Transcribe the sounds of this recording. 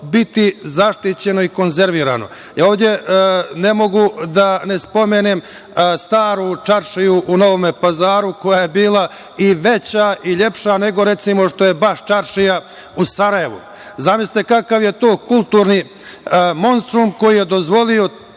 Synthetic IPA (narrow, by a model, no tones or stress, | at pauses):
bit̪izaʃt̪it͡ɕe̞no̞iko̞nze̞ɾʋiːɾa̰no̞̰ | jaoːʋvd̪ʲje̞ne̞mo̞ɡud̪ane̞spo̞meːnem | st̪aːɾut͡ʂaɾʃijuʔuno̞ʋo̞mepazaːɾuko̞jaje̞biːla | iʋe̞t͡ɕaʔiʎe̞pʃane̞ɡo̞ɾe̞t̪simo̞ʂt̪o̞je̞baʂt͡ʃaɾʃija | usaɾaje̞ʋṵ | zamisit̪ekakaʋje̞t̪o̞ːkulˠt̪uɾni | mo̞nst̪ɾumko̞jije̞d̪o̞zʋo̞lijo̞